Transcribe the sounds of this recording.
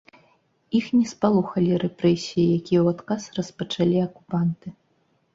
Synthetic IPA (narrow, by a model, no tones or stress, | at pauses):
ixnʲɛspalˠuxɐlʲiɾɛpɾɛsʲijijakʲijɛwat̪kasrɐspɐt͡ʂalʲiɐkupant̪ɨ